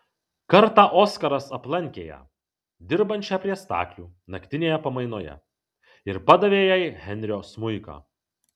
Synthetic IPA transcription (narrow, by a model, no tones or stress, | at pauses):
kɐɾt̪ɑːʔoːskɐɾɐsɐplˠɐŋʲkʲeːjɛ̰ | d̪ʲɪɾbɐnʲt͡ʃʲɛpʲɾʲiɛst̪ɑ̰ːklʲuːnɐkʲt̪ʲɪnʲeːjɛpɐmɐɪnoːjɛ̰ | ɪɾpɐd̪ɐʋʲeːjɛjɪhʲɛnʲɾʲɪjoːsmʊɪkɑ̰ː